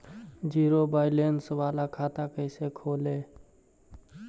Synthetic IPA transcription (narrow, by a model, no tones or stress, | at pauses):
d͡ʒiːɾobaːɪlensəbaːlakʰaːt̪akəɪsekʰoːle